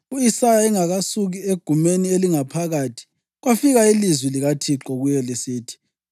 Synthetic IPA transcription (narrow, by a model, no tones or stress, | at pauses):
uisajaɛŋaɣasuɣieɡ̥ʱumenieliŋapʰaɣaːtʰi̥ | ɣwafiɣailizwiliɣatʰiǃɔɣujɛlisiːtʰi̥